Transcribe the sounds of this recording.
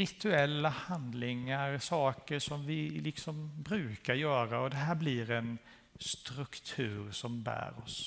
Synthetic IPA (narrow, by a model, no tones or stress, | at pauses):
ɾɪt̪ʰɵɛlːahand̪lɪŋaɾsɑːkəʂɔmvɪlɪksɔmbɾʉ̟ːkaɾjœːɾaɔd̪ɛɦæːɾblɪɾɛn | st̪ɾɵkt̪ʰʉ̟ːɾsɔmbæ̰ːɾɔ̰s